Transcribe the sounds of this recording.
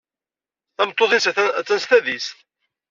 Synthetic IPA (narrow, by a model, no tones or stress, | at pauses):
θæmt̪ˤːoθist͡sːænst̪æðist̪